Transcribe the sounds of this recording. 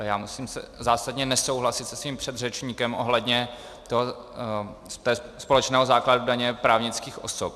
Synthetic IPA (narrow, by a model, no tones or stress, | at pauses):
jaːmusiːmsɛ̰zaːsadɲɛnɛsowɦlasɪt̪sɛ̥sviːmpr̝̥ɛd̪rɛt͡ʃɲiːkɛmʔo̞̰ɦlɛdɲɛ | t̪oɦo | st̪ɛːspo̞lɛt͡ʃnɛːɦozaːkladudaɲɛpɾaːvɲɪt͡skiːxʔo̞sop̚